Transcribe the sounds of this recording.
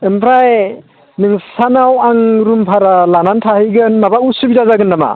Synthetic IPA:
ɯmpʰɾaj | nɯŋsanawaŋɾumpʰaɾalanantʰahɯjɡɯnmabausubizazaɡɯnːama̰

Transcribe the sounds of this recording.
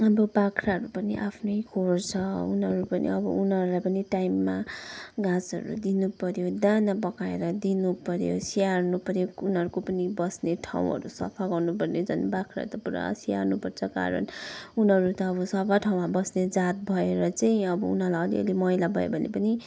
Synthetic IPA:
ʌbʌbakʰɾaɦʌɾupʌniʔapʰnʌjkʰort͡sʰʌunʌɾupʌnḭʌbʌ̰ʔunʌɾulajpʌniʈajmːaɡãt͡sʌ̰ɾṵd̪inupʌɾjod̪anabʌkaḛɾʌd̪inupʌɾjo̰siarnupʌɾjounɦʌɾukopʌnibʌsneʈʰa̰w̃ɦʌ̰ɾusʌ̰pʰaɡʌrnupʌrned͡zʌ̰nbakʰɾa̰ʌ̰ɾut̪ʌpuɾa̰sia̰rnupʌrt͡sʰʌka̰ɾʌ̰nunʌɾut̪ʌːbʌsʌpʰaʈʰaw̃mabʌsned͡zat̪̚bʱʌeɾʌt͡saĩʌbʌunalaʌlḭʌ̰limʌilabʱʌḛbʱʌnḛpʌni

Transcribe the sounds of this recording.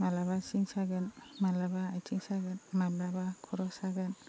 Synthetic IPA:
malaβasiŋsaɡanmalabaat͡ʃiŋsaɡanmababakʰɔɾɔsaɡan

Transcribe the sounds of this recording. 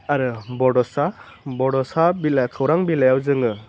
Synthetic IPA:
aɾɯbɔɖɔsa | bɔɖɔsabilakʰɯwɾaŋbilajawzɯŋɯ

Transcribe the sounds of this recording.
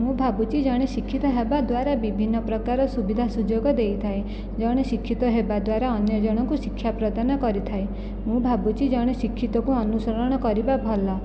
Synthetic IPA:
mũbʱabut͡ʃid͡ʒɔɽ̃esikʰːit̪ɔɦebad̪waɾabibʱinːɔpɾɔkaɾɔsubid̪ʱasud͡ʒoɡɔd̪ejt̪ʰaj | d͡ʒɔɽ̃esikʰːit̪ɔɦebad̪waɾaɔnjɔd͡ʒɔɽ̃ɔŋkuʃikʰːjapɾɔd̪anɔkɔɾit̪ʰaj | mũbʱabut͡ʃid͡ʒɔɽ̃esikʰːit̪ɔkuɔnusɔɾɔɽ̃ɔkɔɾibabʱɔla

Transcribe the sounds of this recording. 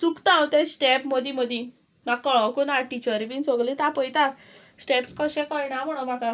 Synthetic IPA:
sukt̪ãwt̪ɛ̃sʈɛpməd̪ʱiməd̪ʱĩ | makːɔɭɔwkonaʈit͡ɕəɾbint͡sɔɡlit̪apəjt̪a | sʈɛpskɔɕɛ̃kɔjnam̤əɽ̃omaka

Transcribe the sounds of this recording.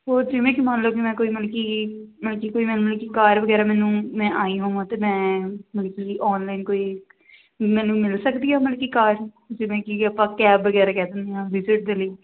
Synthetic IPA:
oːd͡ʒɪʋẽːkimaːnloːkɪmɛ̃ːkoːiːməlkiːməlkiːkoːiːmɛ̃ːnũməlkiːkaːɾʋəɡɛːɾaːmɛ̃ːnũːmɛ̃ːʔaːiːɦãːãːt̪eːmɛ̃ːməlkiːiːʔɔːnlaːɪnkoːiː | mɛ̃ːnũːmɪlsəkd̪iːaːməlkiːkaːɾ | d͡ʒɪʋẽːkiəpãːkɛːbːəɡɛːɾaːkɛːd̪ɪnd̪iːãːʋɪzɪʈ̚d̪eːləiː

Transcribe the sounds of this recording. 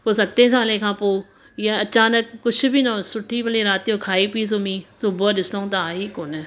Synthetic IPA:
poːsək̚t̪ẽːs̬ãːlẽːkʰãːpoː | jãət͡ʃaːnək̚ːʊt͡ʃʰbiːnãsʊʈʰːiːpəliːɾaːt̪ːõːkʰaːiːpiːs̬omĩːsʊbəːɗɪsãũːt̪aːiːkoːnɛ

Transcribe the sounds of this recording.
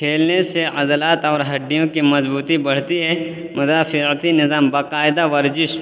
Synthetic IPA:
kʰeːlneseɐd̪əlaːt̪ɔːɾɦɐɖːijõkimɐzbuːt̪ibɐɽ̤t̪iɦɛ | mʊd̪aːfɪɾt̪inɪzaːmbaːqaːɪd̪aʋɐɾzɪʃ

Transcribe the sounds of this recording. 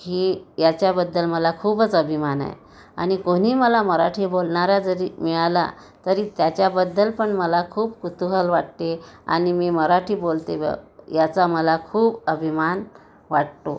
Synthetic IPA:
hijat͡ɕjabəd̪ːəlməlakʰuːbət͡səbʱimana̰j̰ | a̰ɽ̃ikoñ̤iːməlaməɾaʈʰiːbolɳaɾad͡zəɾimiala̰ | t̪əɾit̪jat͡ɕjabəd̪ːəlpəɳməlakʰuːbkut̪uɦəlʋaʈ̚t̪ea̰ɽ̃imiːməɾaʈʰiːbolt̪ḛjat͡saməlakʰuːbəbʱiman | ʋaʈt̪o̰

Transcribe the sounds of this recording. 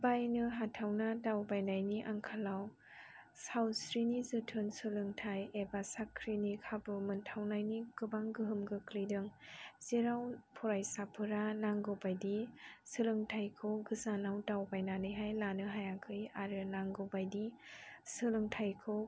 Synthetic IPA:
bajnɯɦatʰawnadawbajnajniʔaŋkʰalaw | sawsɾinizɯtʰɯnsɯlɯŋtʰajebasakʰɾinikʰabɯmɯntʰawnajniɡɯbaŋɡɯɦɯmɡɯkɾidɯŋziɾawpʰɔɾajsapʰɯɾanaŋɡowbajdisɯlɯŋtʰajkʰɯwɡɯzanawtawbajnanɯjɦajlanɯɦajaŋkʰɯjaɾɯnaŋɡobajdisɯlɯŋtʰajkʰɯw

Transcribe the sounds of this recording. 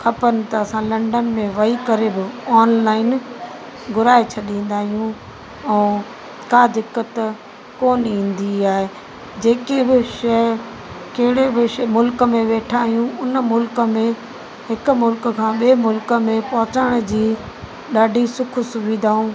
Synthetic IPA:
kʰɐpənɪ̆t̪ɐɐsãlɐ̃ɳɖənɪ̆mẽʋɐikɐɾebɪɔːnlaːɪn | ɡʱʊɾaːet͡ɕʰɐɗĩːn̆d̪aːɦijũ | ɛ̃ː | kaːd̪ɪkːət̪ | koːnĩːn̆d̪iaːɦe | d͡ʑeːkebɪʃɐ | kɐɦɪɽebɪʃmʊlkəmẽʋeːʈʰaːɦijũʊnmʊlkəmẽ | ɦɪkʊ̆mʊlkkʰãːɓiemʊlkə̆mẽpɐɦʊt͡ɕaːɽ̃ʊd͡ʑiː | ɗaːɖʱisʊkʰʊ̆sʊʋiːd̪ʱaːũː

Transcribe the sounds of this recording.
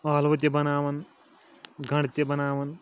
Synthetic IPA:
aːlʋɐt̪̬jɐbɐnaːʋɐn | ɡʱɐɽt̪ʲjɐbɐnaːʋɐn

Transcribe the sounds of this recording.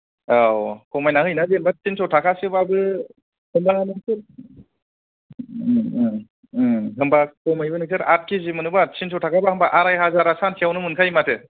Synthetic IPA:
awkɔmajnahɯjnazenbasinsɔtʰakʰasɯbabɯ | hɯmbanɯsɯ | ɦɯmbakɔmajbanɯksɯɾat̚kʰizimɯnɯbasins̬ʰɔtʰakʰabahɯmbaʔaɾajɦazaɾasansijawnɯmɯnkʰajmatʰɯ

